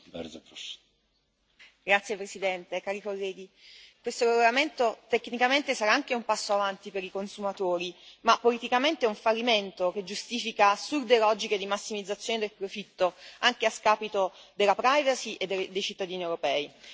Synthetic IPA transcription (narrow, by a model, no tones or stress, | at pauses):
bɛ̰ɾ | ɡɾat̪sjepɾesid̪ɛnt̪ekaːɾikolːɛːɡ̟ikwest̪oɾeɡolament̪ot̪ekːnikament̪esaɾaaŋkeumpasːoavant̪ipeɾikonsumat̪oːɾimapːolit̪ikament̪eɛuɱfalːiment̪ok̟ed͡ʒust̪iːfikasurd̪elɔd͡ʒiked̪imasːimid̪zːat̪sjoːned̪elpɾofit̪ːoaŋk̟easkaːpit̪od̪elːapɾajvasiʔed̪ːed̪ːejt͡ʃit̪ːad̪iːniewɾopɛːi